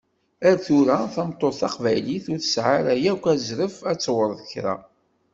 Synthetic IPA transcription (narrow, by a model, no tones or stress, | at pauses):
æɾθʊɾæθæmt̪ˤːoθɑqvæjliθʊɾθə̥sʕaɾæjækʷːæzɾəfæt͡sːwəɾˤðəçɾæ̰